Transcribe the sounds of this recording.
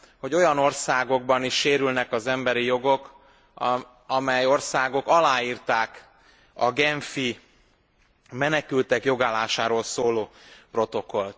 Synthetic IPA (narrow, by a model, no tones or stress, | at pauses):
ho̞ɟo̞jɒno̞rsaːɡo̞ɡbɒniʃːeːɾylnɛkɒzɛmbɛɾijo̞ɡo̞k | ɒmɛjo̞rsaːɡo̞kɒlaːiːrt̪aːk | ɒɡɛɱfi | mɛnɛkylt̪ɛkjo̞ɡaːlaːʃaːɾoːlsoːloːpro̞t̪o̞ko̞lt̪